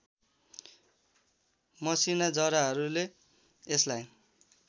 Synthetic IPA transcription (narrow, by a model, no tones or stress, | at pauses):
mʌsinad͡zʌɾaɦʌɾuleː | slaj